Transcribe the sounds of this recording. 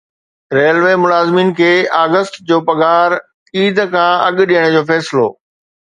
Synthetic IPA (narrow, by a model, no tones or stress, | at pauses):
ɾeːəlʋeːmʊlaːzmiːnkʰeːaːɡəst̪d͡ʑoːpɐɠaːɾ | iːd̪ʱkʰãɐɠɗijəɽ̃d͡ʑoːfɛːsɪlo̰ː